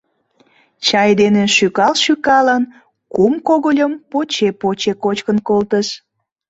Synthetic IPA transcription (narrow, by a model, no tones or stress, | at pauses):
t͡ɕɑjd̪eneʃykɑlʃykɑlən | kumkoɣolʲəmpot͡ɕepot͡ɕekot͡ɕkənkolt̪əʃ